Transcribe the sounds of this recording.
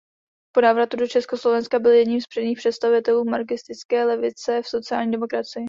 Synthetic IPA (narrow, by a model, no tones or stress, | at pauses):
po̞naːvɾat̪udot͡ʃɛsko̞slo̞vɛnskabɪljɛdɲimspr̥ɛdɲiːxpr̥ɛt̪st̪avɪt̪ɛluːmaɾkɪst̪ɪt͡skɛːlɛvɪt͡sɛfso̞tt͡sɪaːlɲiːdɛmo̞kɾat͡sɪjɪ